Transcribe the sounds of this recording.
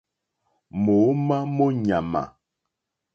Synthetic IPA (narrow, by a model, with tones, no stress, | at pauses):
mo˨˦ma˦mo˦ɲa˨ma̰˨